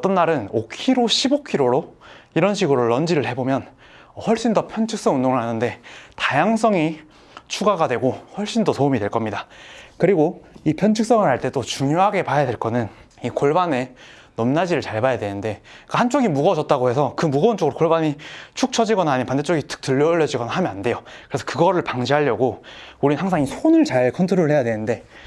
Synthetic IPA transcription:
ʌt͈ʌnːaɾɯnokʰiɾoɕʰibokʰiɾoɾoiɾʌnɕʰiɡɯɾoɭʌnd͡ʑiɾɯɭhe̞bomjʌn | hʌɭɕ͈indʌpʰjʌnt͡ɕʰɯk̚s͈ʌŋundoŋɯɭhanɯnde̞tajaŋs͈ʌŋi | t͡ɕʰuɡaɡadwe̞ɡohʌɭɕ͈indosomidwe̞ɭk͈ʌmɲidakɯɾiɡoipʰjʌnt͡ɕʰɯk̚s͈ʌŋɯɭhaɭt͈e̞t͈ot͡ɕuŋjoɦaɡe̞pajadwe̞ɭk͈ʌnɯn | ikoɭbane̞ | nʌmnad͡ʑiɾɯɭt͡ɕaɭbajadwe̞nɯnde̞k͈ahant͡ɕ͈oɡimuɡʌd͡ʑʌt̚t͈aɡohe̞sʰʌkɯmuɡʌunt͡ɕ͈oɡɯɾokoɭbaɲit͡ɕʰuk̚t͡ɕʰʌd͡ʑiɡʌnaɦaɲipandet͡ɕ͈oɡitɯ̥k̚tɯʎːʌuɭːʌd͡ʑiɡʌnaɦamjʌnande̞jokɯɾe̞sʰʌ̥kɯɡʌɾɯɭpaŋd͡ʑiɦaʎːʌɡouɾinɯnɦaŋsʰaŋisʰonɯɭt͡ɕaɭkʰʌntʰoɾoɾɭhe̞jadwenɯnde̞

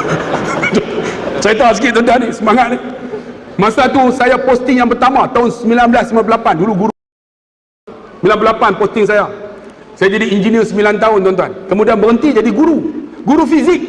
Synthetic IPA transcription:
t͡ʃat̪asəkɪtt̪ɔnt̪uanisəmaŋat̪̚ni | mãsat̪usajapɔst̪ɪŋjaŋpərt̪amãt̪aʊnsəmilanbəlasəimanp̬əlapanduluɡuɾu | səmilanpəlapanpɔst̪ɪŋs̬ajasajad͡ʒadiind͡ʒiniərsəmbilant̪aʊnt̪ɔnt̪uankəmudianbəɾənt̪id͡ʒadiɡuɾuɡuɾufizik̚

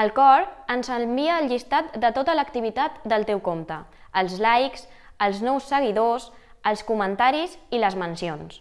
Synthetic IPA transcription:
əlˠkɔɾənzəbiəːlˠʎist̪at̪̚d̪ət̪ot̪ələkt̪iβit̪at̪d̪əlˠt̪ɛwkomt̪əəlˠzlajks | əlˠznɔwsːəɣ̞iðos | əlˠskumənt̪aɾiziləzmənsions

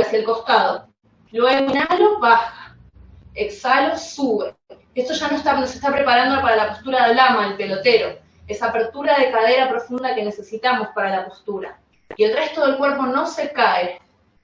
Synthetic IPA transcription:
asjaelko̞st̪að̞o̞̰ | loeinalo̞βaxḁ | eksalo̞suβe | e̞st̪oʒanoest̪anosest̪apɾe̞paɾand̪opaɾalapost̪uɾaðelamaelpe̞lo̞t̪e̞ɾo̞ | esaːpe̞ɾt̪uɾað̞e̞kað̞e̞ɾapɾo̞fund̪ake̞ne̞se̞sit̪amo̞spaɾalapost̪uɾa | ie̞lre̞st̪o̞ð̞e̞lkwe̞ɾpo̞no̞se̞kae

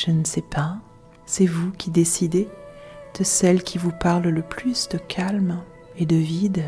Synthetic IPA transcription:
ʒ̥ənəsɛpa | sɛvukʲʰid̪esid̪ed̪̥əsɛlkʲʰivupaʁlləplysd̪əkʰalm | ed̪əvid̪

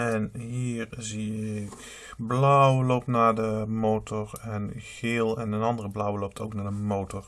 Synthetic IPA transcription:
ɛnɦiːrziɪk | blawlowp̚tnaːdəmoːtʰɔɹɛnxɪːlˠɛnənɑndərəblawlowp̚tʰowknaːdəmowtɔr

